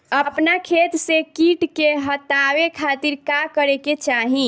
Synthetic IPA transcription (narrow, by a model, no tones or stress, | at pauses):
əpnakʰet̪sekiʈkeɦət̪awekʰat̪iɾkakəɾeket͡ʃaɦĩ